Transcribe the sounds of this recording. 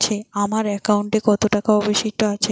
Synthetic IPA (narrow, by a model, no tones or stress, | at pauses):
t͡ɕʰeamaɾɛkauɳʈekɔt̪oʈakaɔbeʃiʃʈoat͡ɕʰe